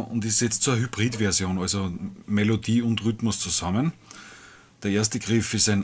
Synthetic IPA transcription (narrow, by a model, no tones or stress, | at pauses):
ʊ̰ntissɛt͡stt͡suːɐɦyb̥ʁiːdvɛɐzjoːnalzomelodiːʊntʁʏtmʊst͡suzamən | d̥eɐeːɐstəɡ̥ʁɪfɪstæɪn